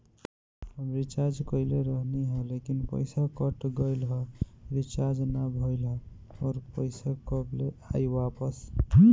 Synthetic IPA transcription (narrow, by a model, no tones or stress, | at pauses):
həmɾit͡ʃad͡ʒkɔjleɾəɦniɦɔlekinpə̰jsakəʈɡʌjlɦɔɾit͡ʃad͡ʒnabʱɔjlɦɔ | ɔːɾpəjsakɔbleajwapəs